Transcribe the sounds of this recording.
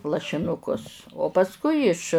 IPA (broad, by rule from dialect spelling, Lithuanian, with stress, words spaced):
lˠɐʃʲɪˈnʊkʊs oː pɐsˈkʊɪ ɪʃ